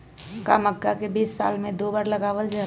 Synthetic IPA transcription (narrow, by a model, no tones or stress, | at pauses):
ka̰ːməkːakebiːsːa̰ːlmẽd̪oːbaːɾləɡaːʋəld͡ʒə